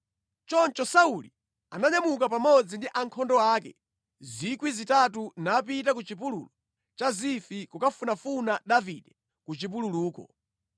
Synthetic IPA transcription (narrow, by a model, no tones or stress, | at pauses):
t͡ʃɔnt͡ʃɔsauli | anaɲamuk̬apamɔd͡zindiʔaŋkʰɔndɔaːkɛ̰ | zikwizitatunap̬itak̬ut͡ʃip̬ulṵːlɔ | t͡ʃazifikukafunafunadavidɛ | kut͡ʃip̬ululuːkɔ̰